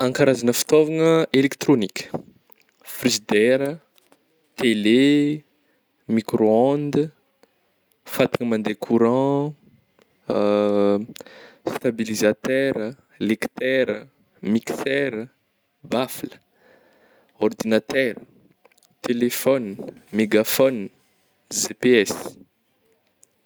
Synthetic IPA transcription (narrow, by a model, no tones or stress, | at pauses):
ãŋkaɾazanəfi̥t̪ovaŋəelekt̪ɾonikʲə̥ | frizid̪ɛɾə | t̪ele | mikɾoãnd̪ə | fat̪i̥ŋəmãnd̪ekʰuɾɑ̃ | st̪abilizat̪ɛɾə | lekt̪ɛɾə | miksɛɾə | baflə̥ | ɔrd̪inat̪ɛɾə | t̪elefɔnmeɡafɔn | zepeɛs